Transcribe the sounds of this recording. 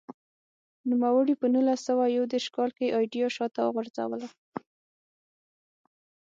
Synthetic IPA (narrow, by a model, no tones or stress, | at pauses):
numawəɽipənulasːəwajawd̪eɾʃkɑlkeʔɑjɖijɑʃɑt̪aɣʊɾza̰wəla